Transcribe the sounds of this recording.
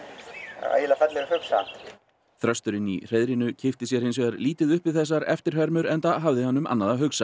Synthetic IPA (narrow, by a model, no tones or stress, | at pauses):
a̰a̰ːjɪlafɛt̪lɛɣahʏksa̰ | θɾœst̪ʏɾɪnḭr̥eːðɾinʏcʰɪft̪ɪs̬jɛɾ̥hɪnsvɛːɣaɾliːt̪ɪðʏhpvɪðθɛsːaɾɛ̰ft̪ɪɾ̥hɛɾmʏɾɛnt̪aɦavðɪhanːʏma̰nːaðaɦʏksa